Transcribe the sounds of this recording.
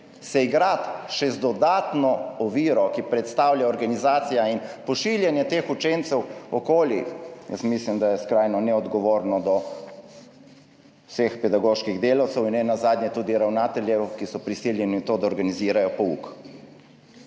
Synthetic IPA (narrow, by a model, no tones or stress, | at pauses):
sɛiɡɾat̪ʃɛzd̪ɔd̪aːt̪nɔɔʋiːɾɔkipɾɛt̪st̪aːwljaɔɾɡanizaːt̪sijainpɔʃiljɛnjɛt̪eːxut͡ʃent̪sɛwɔkoːlijə̰smislimd̪ajɛskɾajnɔnɛɔd̪ɡɔʋoːɾnɔd̪ɔ | sexpɛd̪aɡoːʃkiɣd̪eːlawt̪sɛwinɛnazaːd̪njɛt̪uːd̪iɾawnaːt̪ɛljɛwkisɔpɾisiːljɛnit̪oːd̪aɔɾɡaniziːɾajɔpɔṵk